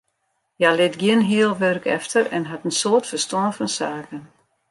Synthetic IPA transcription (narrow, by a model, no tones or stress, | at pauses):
jalɪtɡiənɦiəlˠʋørkʰɛ̰ftərɛ̰nɦatənsoətfərstɔənfɔnsaːkən